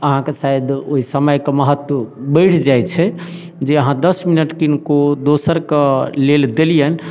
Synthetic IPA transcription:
əɦãkesajd̪oɦisəməjkeməɦət̪wəbəɪʈʰd͡ʒajt͡ʃʰɛ | d͡ʒeəɦãd̪əsminəʈkinkod̪osəɾkeleld̪elijən

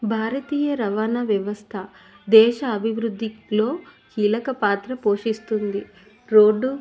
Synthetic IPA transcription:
bʱaːɾɐt̪iːjɐɾɐʋaːnaʋjɐʋɐst̪ʰɐ | d̪ɛːʃɐːbʱiʋɾud̪ʱːilo̞ːkiːlɐkɐpaːt̪ɾɐpo̞ːʂist̪und̪i | ɾoːɖːu

